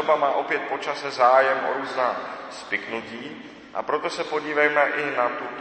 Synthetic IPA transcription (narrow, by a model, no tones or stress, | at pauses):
obamaːʔo̞pjɛt̪̚po̞t͡ʃasɛzaːjɛmʔo̰ɾuːznaːspɪknuciː | ʔa̰pɾo̞t̪o̞sɛpoɟiːvɛjmɛʔɪnat̪u